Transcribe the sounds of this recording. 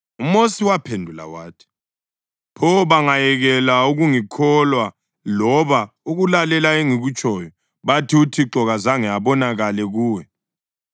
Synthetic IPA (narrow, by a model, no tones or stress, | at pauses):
umosiwapʰendʱula̰wa̰ːtʰi̥ | pʰɔβaŋajɛɣɛlauɣuŋikʰɔlwa | lɔβa | uɣulalɛlaeŋiɣut͡ʃʼɔːjɔ | βatʰiutʰiǃɔɣazaŋɛaβɔnaɣalɛɣuːwɛ